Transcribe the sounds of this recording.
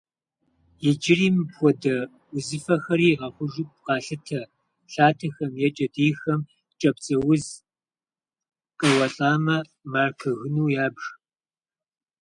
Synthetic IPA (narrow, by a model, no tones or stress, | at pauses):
jɛd͡ʒɪriːmpxʷɔdɐ | ʊzɨfɐxɐɾiːʁɐχʷʊʒʊp̚ʼqɑːɬɨtʰɐ | ɬaːtʰɐxɐmjɛt͡ʃʼɐdiːxɐm | t͡ʃʼɐpt͡sʼɐwʊz | qʼɐwɐɬʼaːmɐ | maːrkʰɨɣɨnuːjaːbr